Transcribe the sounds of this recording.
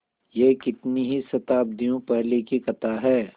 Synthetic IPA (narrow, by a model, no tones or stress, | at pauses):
jekɪt̪niɦisɐt̪aːb̚d̪ijõpɛɦlekikɐt̪aɦɛː